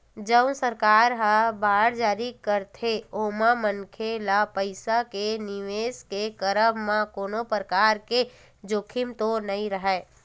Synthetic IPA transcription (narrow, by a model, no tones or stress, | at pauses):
d͡ʒəʊnsəɾkaːɾɦabaːɽd͡ʒaːɾikəɾt̪ʰeomamənkʰelapəɪsakenɪʋeːskekəɾəmːãkoːnopɾəkaːɾke | d͡ʒokʰɪmt̪onəĩɾəɦɛː